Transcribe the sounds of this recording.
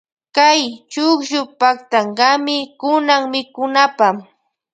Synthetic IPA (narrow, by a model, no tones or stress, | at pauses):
kajt͡ʃʊkʒʊpakt̪aɴɢɑmɪkʊnaŋmɪkʊnapam